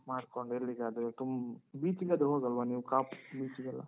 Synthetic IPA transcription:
maːɖkoɳɖeɾːiɡeɐd̪ɾt̪umbiːt͡ʃiɡeɐd̪ɾɦoːɡɐlʋaniːʋukaːpbiːt͡ʃiɡɐlːa̰

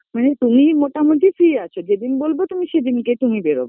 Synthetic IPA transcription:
manet̪umimoʈamot̪ʰifiat͡ɕʰod͡ʑed̪inbolbot̪umiʃed̪inket̪umibeɾo̰bo

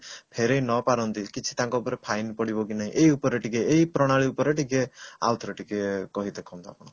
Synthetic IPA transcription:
pʰeɾejnɔpaɾɔnt̪ikit͡ʃʰi̥t̪ãŋkɔupɔɾepʰajnpɔɽibɔk̬inaɦĩʔeiupɔɾeʈikeːipɾɔɽ̃aɭiupɔɾeʈikea̰lt̪ʰɔɾeʈikekɔɦid̪ekʰɔ̃nt̪ɔa̰pɔɽ̃ɔ

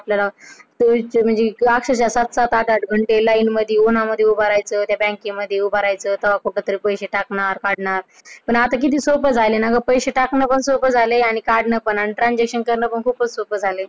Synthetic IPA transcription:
apljalat̪um̤əɳd͡zeakʂəɕ̬jasat̪sat̪aʈaʈɡʱəɳʈelainməd̪ʱːjeonaməd̪ʱːjeubʱaɾajt͡sət̪jabɛ̃ŋkĩməd̪ʱːjeubaɾajt͡səːt̪əʋakoʈlat̪əɾipəjɕeʈakɳaɾkaɽɳaɾ | pəɳat̪ak̬it̪iːsopəd͡zʱajlenaɡəpəjɕeʈaknəpəɳsopəd͡zʱaleaɽ̃ikaɽɳəpəɳaɽ̃iʈɾãnd͡ʑakʂənkəɾɳəpəɳkʰuːpəsopəd͡zʱale

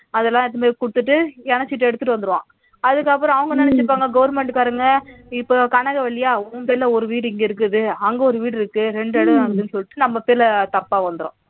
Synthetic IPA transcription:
ɐðɛlːãːɛt̪ːɐmeːɾkʊɽɯt̪ːɯʈːɯɛnɐt͡ʃːɪʈ̬ːɯɛɽɯt̪ːɯʈːɯʋɐnd̪ɯɾɯʋã̰ː | ɐðɯkːɐpːɯɾɔ̃ːɐʋɐŋɡɐnɐnɛt͡ʃːɯpːaːŋɡɐɡɐʋɐɾmɛɳʈkaːɾɯŋɡɐɪpːoːkɐɳɐɣɐʋɐɭːɪjaːʊːpeːɾlɐɔɾɯʋiːɽɪŋɡeɪɾɯk̬ːɯðɯɐŋɡeɔɾɯʋiːɽɪɾɯkːɯɾɛɳɖɛɽɐðaːɡɐðɯnɯsɔlːɪʈːɯnɐmːɐpeːɾlɐt̪ɐpːaːʋɐnd̪ɯɾõ̰

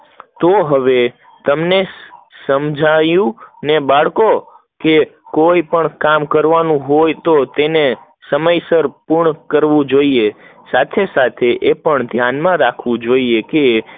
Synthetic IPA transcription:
t̪oɦəʋe | t̪əmnesəmd͡ʒʱajũnebaɭko | kekoipəɳkamkəɾʋanũɦojt̪ot̪ene | səməjsəɾpuɾɳkəɾʋũd͡ʒoiesat̪ʰesat̪ʰeʔepəɳd̪ʱjanmãɾakʰʋũd͡ʒoieke

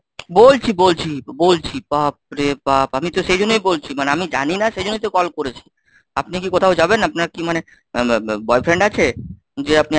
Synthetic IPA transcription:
bolt͡ɕʰibolt͡ɕʰibolt͡ɕʰipap̚ɾepapamit̪oʃejd͡ʑonːojbolt͡ɕʰimaneamid͡ʑa̰ninaʃejd͡ʑonːojt̪okɔlkoɾet͡ɕʰi̥ | apnikikot̪ʰaod͡ʑabenapnaɾkimane | bɔefʰɾeɳɖat͡ɕʰe | d͡ʑeap̚ni

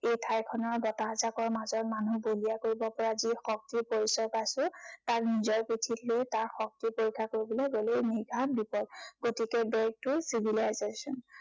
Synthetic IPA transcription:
ejtʰajkʰɔnɔɹbɔtazakɔɹmazɔɹmanubolijakoɹibɔpɔɹazixɔk̚tiɹpoɹisɔɹpasʊ̃taknizɔɹpɹitʰitlojtaɹxɔk̚tiɹpoɹikʰːakoɹibɔleɡoleniɡʱabipɔdɡotikɛbɛk̚tʊsibʱilazesɔn

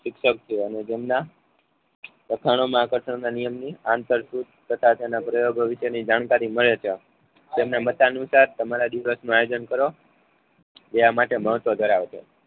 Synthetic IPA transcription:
ʃɪkʃək̚t͡ʃʰeəned͡ʒemna | ɾəkʰaɽ̃omãakəɾʃəɽ̃nanijəmniãnt̪əɾsud̪t̪ʰət̪ʰat̪enapɾəjoɡʋiʃənid͡ʒaɽ̃kaɾiməɭet͡ʃʰe | t̪emnemət̪anusaɾt̪əmaɾad̪iʋəsnũajod͡ʒənkəɾo | d͡ʒeamaʈeməɦət̪ʋəd̪ʱəɾaʋet͡ʃʰḛ

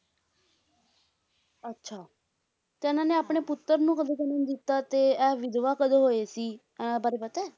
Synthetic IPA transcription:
ətːʃʰaː | t̪eʊnãːneːaːpɳeːpʊt̪ːəɾnũːkəd̪eːk̪ənə̃nd̪ɪt̪ːaːt̪eːɛːʋɪd̪ʋaːkəd̪eːɦoːeːsĩː | bəɾepət̪ɛː

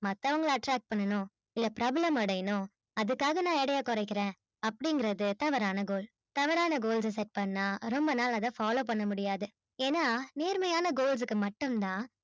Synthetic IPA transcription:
mɐt̪ːɐʋɐŋɡɐɭɐʈɾaːk̚ʈ̚pɐɳːɐnʊ̃ | ɪlːɐpɾaːblɐmɐɽɐjɐnʊ̃ | ɐðɯkːaːɣɐnãːɛɽɐjaːkɔɾɐɪkːɪɾẽː | ɐpːɐɽɪŋɡɪɾɐðɯt̪ɐʋɐɾaːnɐɡoːl | t̪ɐʋɐɾaːnɐɡoːls̬ɐs̬ɛʈ̚pɐɳːaːɾɔmbɐnaːlɐðãːfaːloːpɐɳːɐmʊɽɪjaːðɯ | eːnːaːneːɾmɐjaːnɐɡoːls̬ɯkːɯmɐʈːɯmt̪ãː

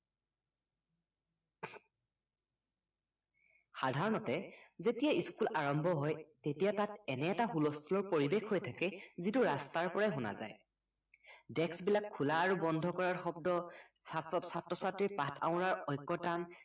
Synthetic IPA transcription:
xadʱaɹɔnɔtɛzetijaiskulaɹɔmbʱɔɦɔjtetijatatɛnɛːtaxulɔstʰulɔɹpoɹibexʰɦojtʰakɛzituɹastaɹpɔɹajɦʊna̰za̰j | dɛksbilakʰːulaːɹubɔndʱɔkɔɹaɹxɔb̚dɔ | sasɔtsatɹɔsatɹipatʰa̰ʊ̃ɹaɹɔjkːɔtan

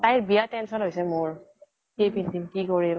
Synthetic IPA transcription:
tajɹbijatɛnsɔnɦojsɛmʊɹ | kepintimkikɔɹi

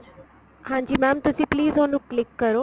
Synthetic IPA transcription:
hãːɲd͡ʑiːmɛ̃ːmt̪ɐsĩːpliːzɦoːnũklɪkːəɾoː

